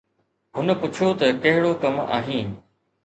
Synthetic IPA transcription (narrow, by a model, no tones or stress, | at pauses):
ɦʊnə̆pʊt͡ɕʰot̪ɐkɐɦɪɽokɐma̰ːɦĩː